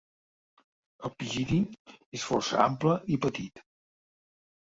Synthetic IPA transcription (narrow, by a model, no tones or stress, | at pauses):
əlˠpiʒiðiesfɔrsə̰a̰mpləipət̪it̪